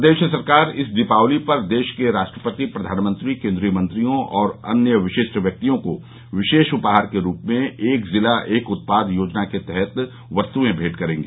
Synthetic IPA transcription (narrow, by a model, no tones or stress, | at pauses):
d̪eːʃəsɐɾkaːɾɪsd̪ɪpaːʋlipɐɾd̪eːʃkeɾaːʃʈɾəpət̪ipɾɐd̪ʱaːnmə̃nt̪ɾikẽːnd̪ɾijəmə̃nt̪ɾijõʔɔːɾɐ̰njəʋɪʃɪʃʈʋjɐk̚t̪ijõko | ʋɪʃeːʃʊpɦaːɾkeɾuːpmẽeːkzɪlaʔeːkʊt̪̚paːd̪ʱjoːd͡ʒnaket̪ɛɦɛt̪ | ʋɐst̪uẽbʱeːʈkɐɾẽːŋɡe